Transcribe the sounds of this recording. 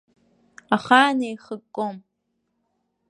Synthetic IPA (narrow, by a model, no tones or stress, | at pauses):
aχaːneːjχəkʷʼːom